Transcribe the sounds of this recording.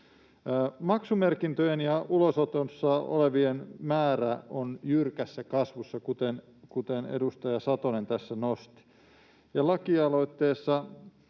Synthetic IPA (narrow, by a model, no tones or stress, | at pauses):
mɑksumerkint̪øjenjɑulosot̪onsːɑo̰leʋienmæːræonjyrkæsːækɑsʋusːɑkut̪en | kut̪enḛdust̪ɑjɑsɑt̪onent̪æsːænost̪i̥ | jɑlɑkiɑlo̞it̪ːeːsːɑ